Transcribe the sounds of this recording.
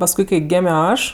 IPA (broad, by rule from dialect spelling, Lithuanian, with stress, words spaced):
pɐsˈkʊɪ kɐɪ ˈɡʲeːmʲoː ˈɐʃ